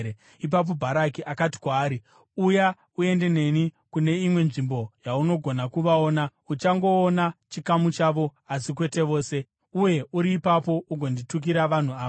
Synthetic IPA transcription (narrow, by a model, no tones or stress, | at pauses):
ip̬ap̬o̞bʱaɾakiʔakat̬i̥kwaːɾi | uja | ue̞nde̞ne̞nikune̞imwe̞nʐimbo̞jauno̞ɡʱo̞nakuʋaoːnaut͡ʃaŋɡo̞ːnat͡ʃikamut͡ʃaʋo̞asikwe̞te̞ʋo̞ːse̞ | uje̞uɾiːpapo̞uɡʱondituk̬iɾaʋan̤uaː